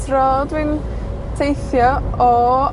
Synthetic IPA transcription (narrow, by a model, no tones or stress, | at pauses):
tʰrɔdwɪn | tʰejθjɔɔ